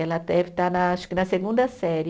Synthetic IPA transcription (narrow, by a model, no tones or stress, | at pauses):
ɛlɐt̪ɛvit̪anaaʃkɪnɐseɡũnd̪ɐsɛɾ